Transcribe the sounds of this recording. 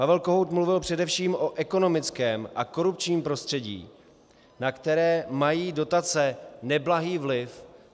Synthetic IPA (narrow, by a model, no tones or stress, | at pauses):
pavɛlko̞ɦowt̪mluvɪlpr̝̥ɛdɛfʃiːmʔo̞ʔɛko̞no̞mɪt͡skɛːmʔako̞ɾup̚t͡ʃɲiːmpɾo̞st̪r̥ɛɟḭː | nakt̪ɛɾɛːmajiːdo̞t̪at͡sɛnɛblaɦiːvlɪf